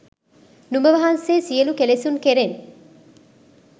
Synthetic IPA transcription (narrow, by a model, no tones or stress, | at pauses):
nubəʋɐɦanseːsiəlukelesunkeɾen